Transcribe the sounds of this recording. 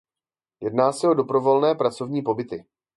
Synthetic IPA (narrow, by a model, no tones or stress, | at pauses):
jɛdnaːsɛo̞do̞bɾo̞vo̞lnɛːpɾat͡so̞vɲiːpo̞bɪt̪ɪ